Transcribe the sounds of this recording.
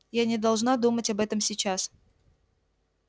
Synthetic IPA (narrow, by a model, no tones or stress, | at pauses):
janʲɪd̪ɐlˠʐnad̪umətʲɐbɛt̪əmsʲɪt͡ɕas